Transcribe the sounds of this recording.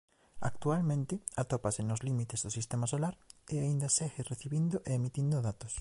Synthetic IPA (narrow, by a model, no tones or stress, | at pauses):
a̰k̚t̪ualmẽnt̪ɪat̪opasenozlimit̪ezðosist̪emasolaɾeaind̪ɐseɣereθiβind̪oʔeemit̪ind̪oðat̪os